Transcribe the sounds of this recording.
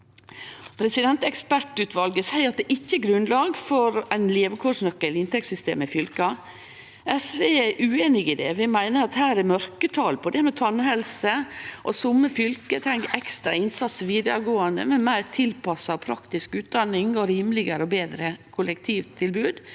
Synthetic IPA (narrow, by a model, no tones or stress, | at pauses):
pʰɾɛsɪd̪ɛnt̪ɛkspæʈʉːt̪ʋɑlɡəsæɪɾɑt̪̚d̪ɛʔɪçːəɡɾʉnlɑːɡfɔɾæɪnleːʋəkʰoʂnœkːəlɪnt̪ɛksʏst̪ḛːmɪfʏlkɑ | ɛsʋeːæʔʉːeːnɪɡɪd̪ɛ̰ʋɪmæɪnəɾɑt̪hæːɾæmœɾkət̪ʰɑːlpʰɔd̪ɛmɛt̪ʰɔnɦɛlsəʔɔsʊmːəfʏlkət̪ʰɛŋkɛkst̪ɾɑɪnsɑt̪səʋiːd̪ə̰ɾɡoːənd̪ə̰mɛmæɪɾt̪ʰɪlpɑsɑʋpʰɾɑkt̪ɪskʉːt̪̚d̪ɑnɪŋɔɾiːmlɪɡəɾəɔbeːd̪ɾəkʰʊlɛkt̪ʰiːʋt̪ʰːɪlbʉːd̪